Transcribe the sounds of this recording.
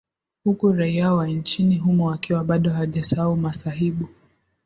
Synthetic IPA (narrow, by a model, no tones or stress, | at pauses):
hukuɾaiawant͡ʃiniɦumɔwakiwaɓaɗɔɦaʄasaaumasaɦiɓu